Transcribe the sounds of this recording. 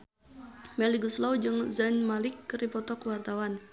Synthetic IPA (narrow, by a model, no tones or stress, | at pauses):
mɛliɡuslawd͡ʒɨŋzanmalɪkːəɾipɔt̪ɔkəwart̪awan